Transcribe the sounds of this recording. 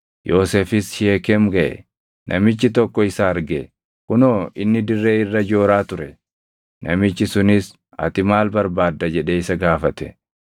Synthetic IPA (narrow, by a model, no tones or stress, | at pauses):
jʔoːsefɪsʃeːkɛmɡɐʔɛ̰ | nʔɐ̰mɪt͡ʃːɪt̪ɔkːɔɪsaɐɾɡɛ | kʊnoːɪnːɪd̪ɪrːeːɪrːɐd͡ʒo̞ːɾaːt̪ʊɾɛ | nʔɐmɪt͡ʃːɪsʊnɪs | ɐ̰t̪ɪmaːlbɐɾbaːd̪ːɐd͡ʒɛᶑɛɪsɐɡaːfɐt̪ɛ̥